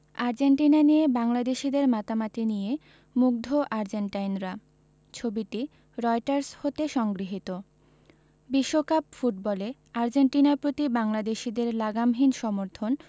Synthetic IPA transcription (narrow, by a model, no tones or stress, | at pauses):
aɾd͡ʑeɳʈinanijebaŋlad̪eʃid̪eɾmat̪amat̪inije | muk̚d̪ʱoʔaɾd͡ʑeɳʈajnɾa | t͡ɕʰobiʈi | ɾɔjʈaɾshot̪eʃɔŋɡɾiɦit̪o | biʃːokapfuʈ̚bɔle | aɾd͡ʑeɳʈinaɾpɾot̪ibaŋlad̪eʃid̪eɾlaɡamɦinʃɔmoɾt̪ʰon